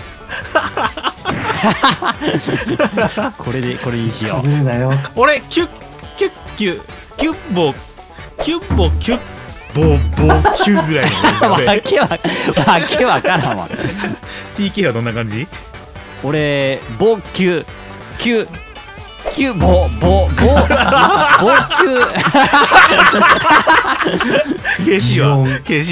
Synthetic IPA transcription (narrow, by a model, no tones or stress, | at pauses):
kʰoɾed̪eko̞ɾeɲiɕijo̰ɡɯɾɯd̪ajooɾe̞kʲɨ | kʲɨkʲːɨː | kʲɨbo | kʲɨbokʲʰɨboːboːkʲɨːɡɯ̟ɾaiβaekʰeβaβakʰeβakaɾã̰a̰ | t̪ʲiːkeːβad̪onːakãɲ̟d͡ʑi | oɾeboːkʲɨː | kʲɨː | kʲɨboboo | bokʲɨː | keːɕiakeːɕiː